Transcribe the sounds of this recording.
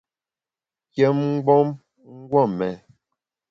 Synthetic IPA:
kjɛ˦mŋ̩˦ɡ͡bɔ˦m | ŋ̩˦ɡwɔ˦˨mɛ˨

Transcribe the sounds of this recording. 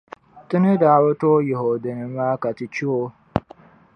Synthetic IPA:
tɪ˦nɨ˦daː˦wʊ˦toː˦je˨ɦo˨de˨nɨ˦maː˦ka˨tɪ˨t͡ʃi˦o˦

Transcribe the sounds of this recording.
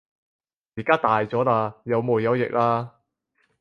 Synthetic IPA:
jiː˨˩kaː˥t̪aː˨jt͡sɔː˨˥laː˧jɐ˨˧wmuː˨˩jɐ˨˧wjɪ̰˨k̚laː˥

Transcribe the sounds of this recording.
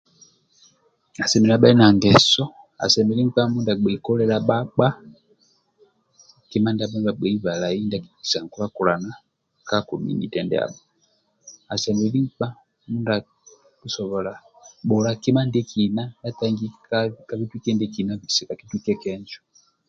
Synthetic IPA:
a˨sɛ˨mɛ˨la˨ɓa˦i˦na˨ŋɡɛ˨sɔ˦ | a̰˨sɛ˨mɛ˨li˦k͡pa˦mu˦nda˨ɡ͡bɛ˨kɔ˦lɛ˦la˦ɓa˦k͡pa˦ | ki˦ma˦nda˦ɓɛ˦mba˨ɡ͡bɛ˨i˦βa˨la˨i˦nda˦ki˨i̥˨sa˨ŋ˨ku˦a˦ku˨la˨na˦ | ka˦ku˨mḭ˨nḭ˨tɛ˨ndɛ̰˦a̰˨ɓa˨ | a˨sɛ˨mɛ˨li˦k͡pa˦ | mu˦nda˨ | ku˨sɔ˨βɔ˨la˨ | ɓɔ˨la˨ki˦ma˦ndɛ˦ki˨na˦nda˦ta˦ŋɡi˦ka˦vi˦twi˦kɛ˦ndɛ˦ki˨na˦vi˨sɛ˨ka˨ki˦twi˦kɛ˦kɛ˦nd͡ʒɔ˦

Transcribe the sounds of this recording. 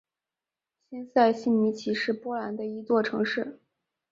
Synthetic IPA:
ɕi˥nsa˥˧ɪɕi˥˩nmi˧˥t͡ɕʰi˧˥ʂɻ̩˥˩pwɔ˥la˧˥nd̪ə˧i˧˥t͡swɔ˥˩ʈ͡ʂʰɤ˧˥ŋʂɻ̩˥˩

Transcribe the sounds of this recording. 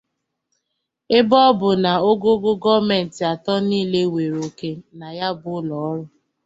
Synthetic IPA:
ɪ˦bɔ˦bʊ˨na˨o˦ɡo˦ɡʊ˦ɡɔ˦me˨n̩˨tɪ˨a˨tɔ˦niː˦˨le˦we˨ɾo˨ke˦na˨ja˦bʊ˦lɔ˨ɔ˦ɾʊ˦

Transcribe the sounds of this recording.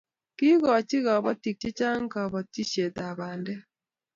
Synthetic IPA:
ki˦ɣɔ˨t͡ʃɪ˦ɣa˨bɔ˦ti˨k̚t͡ʃi˦t͡ʃa˦ŋ˦ka˨bɔ˨ti˦t͡ʃe˨t̪a˨ba˨ndɛ˦

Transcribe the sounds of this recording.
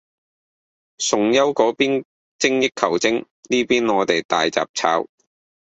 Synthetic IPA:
sʊ˨ŋjɐ˥wkɔː˨˥piː˥n | t͡sɪ˥ŋjɪ˥kʰːɐ˨˩wt͡sɪ˥ŋ | niː˥piː˥nɔː˨˧t̪e˨jt̪a̰ː˨jt͡sa̰ː˨˩p̚t͡sʰa̰ː˨˥w

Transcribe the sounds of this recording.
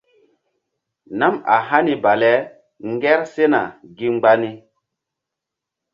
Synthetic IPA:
na˦ma̰˨ɦa˦ni˦ba˨lɛ˦ | ŋɡɛ˦ɾse˦na˨ɡi˦ŋ͡mɡ͡ba˦ni˦

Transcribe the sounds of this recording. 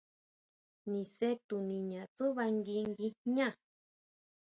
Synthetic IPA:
nĩ˨se˦t̪u˨nĩ˨ɲã˨t͡su˦βa˧ŋɡi˧ŋɡi˧ɲã˦˨

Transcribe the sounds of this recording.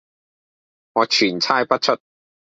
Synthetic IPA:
ŋɔː˨˧t͡ʃʰyː˨˩nt͡sʰaː˥jpɐ˥t̚t͡ʃʰɵ˥t̚

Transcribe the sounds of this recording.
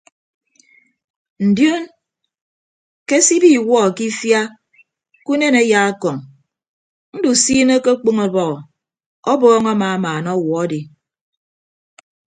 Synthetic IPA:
n̩˨djo˦n | ke˦si˦bi˦˨wɔ˦˨ki˦fja˦ | ku˦ne˦ne˦ja˦a˦kɔ˨ŋ | n̩˦du˨siː˦ne˦ke˦k͡po˦ŋo˨bɔ˦ɣɔ˨ | ɔ˦bɔː˦ŋa˦ma˨a˦maː˨nɔ˦wɔ˨ɔ˦di˨

